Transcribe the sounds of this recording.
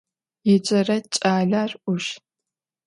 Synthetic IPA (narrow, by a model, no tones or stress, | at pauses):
jɪd͡ʒʼɐrɐt͡ʃʼaːɮaːrʔʷʊʃ